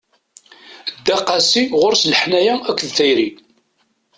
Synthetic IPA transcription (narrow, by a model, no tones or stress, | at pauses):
d̪ːæqːɑsiʁʊɾsləħnæjæækʷːðθæjɾi